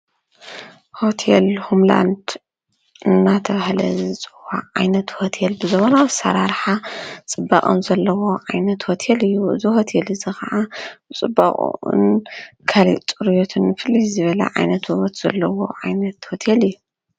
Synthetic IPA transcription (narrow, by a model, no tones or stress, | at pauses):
ho̞t̪ʰelhumla̰nd̪ | ɨnːat̪ʰɐβahlɐ̰zɨt͡sʼɨwa̰ʕajnɐt̪ho̞t̪ʰelbɨzɨβonazsɐ̰ɾaɾħat͡sʼɨbːakʼo̰mzɐlːɐwo̞ʕajnɐt̪ho̞t̪ʰelɨjːuɨ̰ziho̞t̪ʰelɨzɨxɐʕaɨt͡sʼɨbːa̰χʼnkʰalḭt͡sʼɨɾjot̪ʰɨnːɨfɨlːizɨβɐlɐ̰ʕa̰jnɐt̪uβɐt̪z̥ɐlːɐwo̞ʕajnɐt̪ho̞t̪ʰelɨjːu